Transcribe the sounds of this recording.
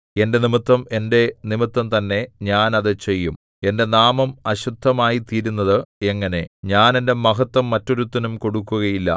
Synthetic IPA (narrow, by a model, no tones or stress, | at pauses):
e̞nde̞nimit̪ːɐme̞nde̞nimit̪ːɐmt̪ɐnːe̞ɲaːnɐðɨt͡ɕe̞jːum | e̞nde̞naːmɐmɐɕud̪ʱːɐmaːjit̪iːɾunːɐðɨe̞ŋːɐne̞ɲaːne̞nde̞mɐɦɐt̪ːwɐmːɐtːo̞ɾut̪ːɐnumko̞ɽukːuɣɐjilːɐ̰